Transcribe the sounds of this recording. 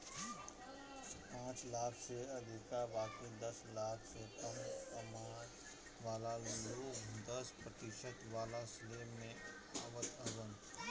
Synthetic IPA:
pãːt͡ʃlaːkʰseɐd̪ʱɪkabaːkid̪ɐslaːkʰsekɐmkəmaːɾ | ʋaːlamẽloːɡd̪əspɾət̪ɪʃət̪ʋaːlasleːmːẽ | aːʋəd̪əbənʰ

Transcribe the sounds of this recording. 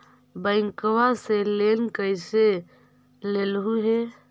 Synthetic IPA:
bəɪŋkwaselenkəjse | lelɦuɦe

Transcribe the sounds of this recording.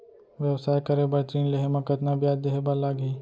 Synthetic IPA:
ʋjəʋsaːjkɐɾebɐt̪ɾiːnleɦemɐkət̪nabijaːd̪eɦebalaːɡiː

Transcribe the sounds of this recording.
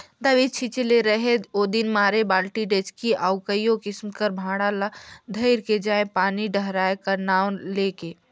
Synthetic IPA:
d̪əʋit͡ʃʰit͡ʃileɾəɦet̪od̪inmaːɾebaːlʈiɖet͡ʃkiʔaʊkəjokɪsmkəɾbʱãːɽalad̪ʱəɪɾked͡ʒaːẽpaːniɖəɦɾaːekənaːʊnleke

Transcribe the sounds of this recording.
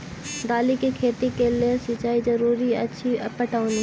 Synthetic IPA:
d̪aːlikikʰeːt̪ikeliesɪt͡ʃaːizɐɾuːɾiɐ̰tːʃʰipəʈaːũni

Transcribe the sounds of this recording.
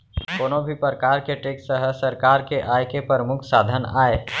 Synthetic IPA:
koːnõbʱipəɾəkaːɾkeʈeːksəɦəsəɾkaːɾkeʔaːjkepəɾəmʊkʰsaːd̪ʱəna̰ːeː

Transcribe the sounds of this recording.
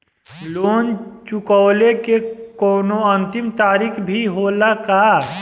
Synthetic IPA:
loːnt͡ʃʊkɔːlekekoːnoə̃nt̪ɪmt̪aːɾikʰbʱiɦoːlaka

